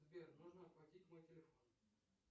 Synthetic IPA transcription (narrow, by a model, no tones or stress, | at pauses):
zbʲermoʐnəɐplˠɐtʲitʲmo̞jtʲɪlʲɪfo̞n